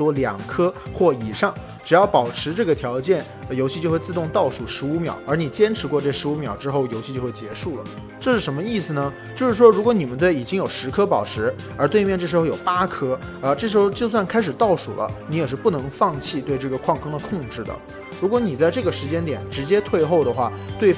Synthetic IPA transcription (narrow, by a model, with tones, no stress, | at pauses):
wɔ˥ljɑ̰˨˩ŋkʰɤ˥xwɔ˥˩i˨˩ʂɑ˥˩ŋ | ʈ͡ʂɻ̩˨˩jɑ˥˩ʊpɑ˨˩ʊʈ͡ʂʰɻ̩˧˥ʈ͡ʂɤ˥˩ɡə˩t̪ʰjɑ˧˥ʊt͡ɕjɛ˥˩n˧jo˧˥ɕi˥t͡ɕjo˥˧ʊxwe˥˧ɪt͡s̩˥˧t̪ʊ˥˧ŋt̪ɑ˥˩ʊʂu˨˩ʂɻ̩˧˥u˧˥mjɑ̰˨˩˦ʊə˞˧˥ni˨˩t͡ɕjɛ˥nʈ͡ʂʰɻ̩˧˥kwɔ˥˧ʈ͡ʂɤ˥˩ʂɻ̩˧˥u˧˥mjɑ˨˩ʊʈ͡ʂɻ̩˥xo˥˩ʊjo˧˥ʊɕʰi˥˧t͡ɕjo˥˧ʊxwt͡ɕjɛ˧˥ʂu˥˩lə̰˩ | ʈ͡ʂɤ˥˧ʂɻ̩˥˩ʂə˧˥nmə˧i˥˩sɹ̩˩nə˩ | t͡ɕjo˥˧ʊʂɻ̩˥˩ʂwɔ˥ɻu˧˥kwɔ˧˥ni˨˩mə˦nt̪we˥˩ɪi˨˩t͡ɕi˥ŋjo˨˩ʊʂɻ̩˧˥kʰɤ˥pɑ˨˩ʊʈ͡ʂʰɻ̩˧˥ | ə˞˧˥t̪we˥˧ɪmjɛ˥˧nʈ͡ʂɤ˥˩ʂɻ̩˧˥xo˥˧ʊjo˨˩ʊpa˥kʰɤ˥ə˧ʈ͡ʂɤ˥˩ʂɻ̩˧˥xo˥˧ʊt͡ɕjo˥˧ʊswa˥˩nkʰa˥ɪʂɻ̩˨˩t̪ɑ˥˩ʊʂṵ˨˩lə̰˦ni˧˥jɛ˨˩ʂ̬ɻ̩˥˧pu˥˩nɤ˧˥ŋfɑ˥˧ŋt͡ɕʰi˥˧t̪we˥˧ɪʈ͡ʂɤ˥˩ɡə˩kʰwɑ˥˧ŋkʰɤ˥ŋd̪ə˨kʰʊ˥˧ŋʈ͡ʂɻ̩˥˩d̪ə̰˩ | ɻu˧˥kwɔ˧˥ni˨˩t͡sa˥˧ɪʈ͡ʂɤ˥˩ɡə˩ʂɻ̩˧˥t͡ɕjɛ˥nt̪jɛ˨˩˦nʈ͡ʂɻ̩˧˥t͡ɕjɛ˥t̪ʰwe˥˧ɪxo˥˩ʊd̪ə˩xwa˥˩t̪we˥˩ɪ